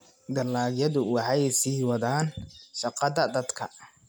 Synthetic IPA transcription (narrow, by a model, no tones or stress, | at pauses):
ɡɐlaːɡjɐðʊwɑħɑjsiːwɑðaːnʃɐqɑðɐd̪ɐd̪kʰɐ̰